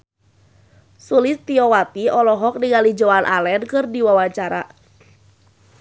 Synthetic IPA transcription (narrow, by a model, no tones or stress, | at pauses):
sulɪst̪iɔwat̪iʔɔlɔɦɔk̚niŋalid͡ʒoanʔa̰lɛnkɨrdiwawat͡ʃaɾa